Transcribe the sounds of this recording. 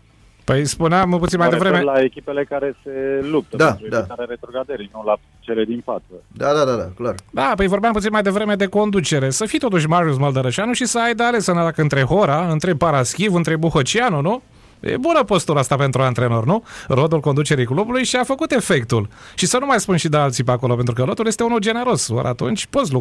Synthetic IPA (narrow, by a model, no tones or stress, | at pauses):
pəjspuneamput̪inmajd̪evɾemelaekʲipele̞kaɾese̞lup̚t̪əd̪aɾud̪aaɾaɾet̪ɾuɡad̪eɾinula | t͡ʃeled̪infat̪səd̪ad̪ad̪ad̪a̰klard̪apəjvo̞rbeamput̪sinmajd̪e̞vɾe̞me̞d̪e̞ko̞nd̪ut͡ʃe̞ɾe̞səfit̪o̞t̪̬uʃ̬ʲmaɾius̬məld̪əɾəʃanuʃisəajd̪əale̞sɨnaɾakɨnt̪ɾe̞ɦoɾaɨnt̪ɾepaɾaskʲivɨnt̪ɾe̞buhət͡ʃianunu | jḛbunəpost̪uɾast̪ape̞nt̪ɾuant̪ɾe̞no̞rnuro̞d̪ulko̞nd̪ut͡ʃe̞ɾijklubulujʃiafəkut̪e̞fe̞kt̪ulʃisənumajspunʃid̪ealt̪sijpeako̞lo̞pe̞nt̪ɾukəlot̪uljest̪eunuld͡ʒe̞ne̞ɾo̞swo̰ɾʔa̰t̪ṵnt͡ʃʲpo̞t̪slu